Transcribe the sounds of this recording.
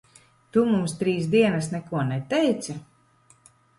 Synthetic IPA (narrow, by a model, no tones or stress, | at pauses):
t̪umumst̪ɾiːsd̪iɛnasnɛkuɔnɛt̪ɛjt̪sa